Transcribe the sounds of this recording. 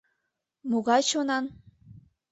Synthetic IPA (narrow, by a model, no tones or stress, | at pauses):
moɣɑjt͡ɕonɑn